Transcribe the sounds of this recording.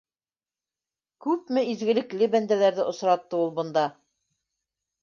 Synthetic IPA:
kʉpmɘizɡɘ̆lɘ̆klɘbænd̪ælæɾðɘʔŏsɾɑt̪ːɤulˠbɤ̆nd̪ɑ

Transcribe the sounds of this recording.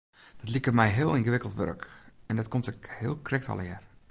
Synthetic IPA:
d̥ɔtlikərmɛjɦɪəlˠinɣəʋɪkəlˠtʋø̰rkɛndɔtkʰomtɪkhɪəlˠkrɛk̚tɑ̰lˠəjɛr

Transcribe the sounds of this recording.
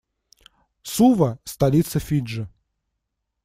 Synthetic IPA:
suvɐst̪ɐlʲit̪səfʲiʐɨ

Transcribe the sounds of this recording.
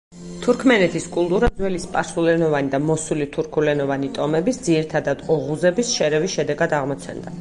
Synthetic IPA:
t̪ʰuɾkʰmɛnɛt̪ʰiskʼulˠt̪ʼuɾad̪zwɛlispʼaɾsulɛnɔvanid̪amɔsulit̪ʰuɾkʰulɛnɔvanit̪ʼɔmɛbisd̪ziɾit̪ʰad̪ad̪ɔʁuzɛbisʃɛɾɛvisʃɛd̪ɛɡad̪aʁmɔt̪sʰɛ̰nd̪a

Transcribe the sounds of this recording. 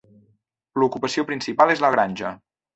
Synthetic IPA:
lukupəsiopɾinsipalˠezləɣ̞ɾanʲʒə

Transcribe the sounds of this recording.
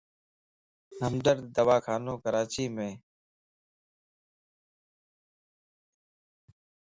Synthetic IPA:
ɦəmɖəɾd̪əʋaːkʰaːnõːkəɾaːt͡ʃiːmẽː

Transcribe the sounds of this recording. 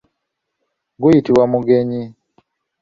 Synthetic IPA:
ɡujitiwamuɡeɲi

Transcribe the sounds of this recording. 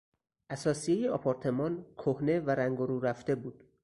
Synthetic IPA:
ʔæsɒːsijejeɒpʰɒɾt̪ʰe̞mɒːnkʰohne̞væɾæŋɡoɾuːɾæft̪e̞buːd̪̥

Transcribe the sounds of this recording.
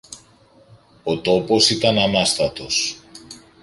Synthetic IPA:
o̞t̪o̞po̞sit̪ɐnɐnɐst̪ɐt̪o̞s

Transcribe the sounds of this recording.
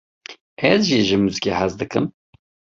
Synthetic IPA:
ɛzʒiːʒɨmuzɨkʲʼeħazd̪ɨkʰɨm

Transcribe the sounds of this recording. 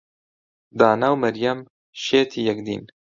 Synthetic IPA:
d̪aːnawmɐɾjɐm | ʃeːt̪ʰijɛkd̪ḭn

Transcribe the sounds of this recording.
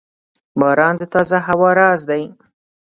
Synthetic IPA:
bɑːɾɑːnd̪ət̪ɑːzaɦawɑːɾɑːzd̪aj

